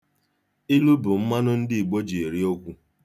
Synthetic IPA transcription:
i˦lu˦bʊ˨m̩˦ma˦nʊ˦n̩˦dɪ˦i˨ɡ͡bo˦d͡ʒe˨e˨ɾi˦o˦kʷu˦

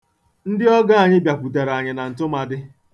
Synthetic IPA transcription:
n̩˦dɪ˦ɔ˦ɡa˦a˨ɲɪ˦bja˨pu˨te˨ɾa˨ɲɪ˨na˨n̩˨tʊ˦ma˨dɪ˦

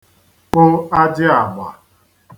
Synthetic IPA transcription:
k͡pʊ˦a˦d͡ʒɪ˦a˨ɡ͡ba̰˨

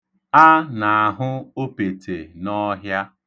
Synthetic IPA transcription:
a˦na˨a˨ɦʊ˦o˦pe˨tʰe˨nɔ˦ɦja˦

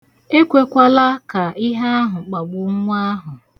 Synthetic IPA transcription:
e˦kʷe˦kʷa˦la˦ka˨ɪ˦ɦa˦a˦ɦʊ˨k͡pa˨ɡ͡bʊ˨ŋ̩˦ŋʷ˦a˦ɦʊ˨

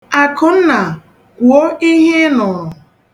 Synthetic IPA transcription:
a˨kʊ˨n̩˦na˨ | kʷwo˦i˦ɦe˦nɔ˨

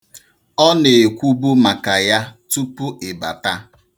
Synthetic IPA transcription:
ɔ˦ne˨e˨kʷu˦bu˦ma˨ka˨ja˦tu˦pu˦e˨ba̰˨ta˦

